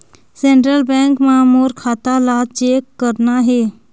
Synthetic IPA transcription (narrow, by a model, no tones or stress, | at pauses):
sẽːɳʈɾəlbɛ̃ŋkmãmoːɾkʰaːt̪alat͡ʃeːkːəɾnaɦeː